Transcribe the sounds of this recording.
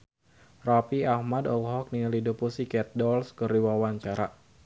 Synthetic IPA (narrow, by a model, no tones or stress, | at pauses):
rapiahmadɔlɦɔk̚nilidupusikɛt̪̚dɔlskəriwawaɲt͡ʃaɾa